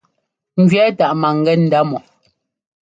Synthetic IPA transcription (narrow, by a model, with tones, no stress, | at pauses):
ŋ̩˨ɡɥɛ˨˦ta˨ʔma˨ŋ˨ɡɛ˦n̩˨da˦mɔ˨ʔ